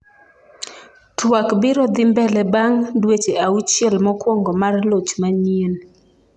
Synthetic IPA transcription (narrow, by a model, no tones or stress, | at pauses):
twakbɪɾɔd̪ɪmbɛlɛbaŋdwet͡ʃeʔaut͡ʃjɛlmɔkwɔŋɡɔmarlot͡ʃmanien